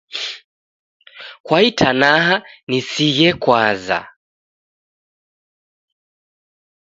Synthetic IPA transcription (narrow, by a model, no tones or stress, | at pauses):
kwaitʰanaɦanisijɛkwaza̰